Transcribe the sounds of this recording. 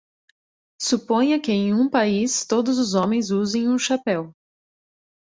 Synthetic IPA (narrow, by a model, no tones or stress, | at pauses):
supõj̃ɐkɪẽj̃ũpaist̪od̪ʊzʊzõmẽj̃zuzẽj̃ũʃapɛw